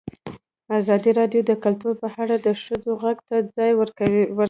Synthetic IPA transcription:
azɑd̪iɾɑɖjod̪əkalt̪uɾpəhaɽad̪əʃəd͡zoɣaɡt̪ad͡zɑjwɾ

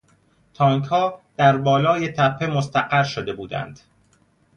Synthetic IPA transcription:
t̪ʰɒːŋkʰhɒːd̪̥æɾbɒːlɒːjet̪ʰæpʰːe̞most̪æɢæɾʃod̪e̞buːd̪æ̰nd̪̥

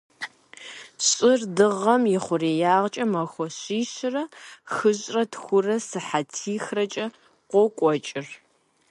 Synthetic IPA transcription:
ɕʼɪrdɨʁɐmjɪχʷʊreːjaːʁt͡ʃʼɐmɐxʷɔɕiːɕɪrɐxɨɕʼrɐtxʷʊrɐsɨħatʰiːxrɐt͡ʃʼɐ | qʷɔkʷʼɔt͡ʃʼɪr

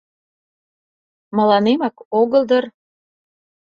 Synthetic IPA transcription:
mə̆lɑnemɑkoɣəld̪ər

